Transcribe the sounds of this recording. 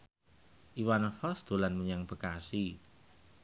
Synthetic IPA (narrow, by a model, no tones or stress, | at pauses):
ʔiwanfɔsd̪̥o̤lanməɲaŋpəkasi